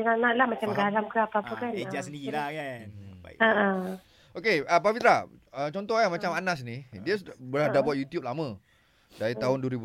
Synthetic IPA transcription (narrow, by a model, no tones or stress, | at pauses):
d͡ʒəŋanãʔlahmat͡ʃamɡalamkəapaːpakanetasəndiilahkanba̰ḭaa | okeəpabit̪ɾaət͡ʃɔnt̪ɔhkamat͡ʃamanas̬nidiəsbəlahdabuat̪̚jut̪jup̚lamə̃ | daɾit̪aɦʊnduəɾibu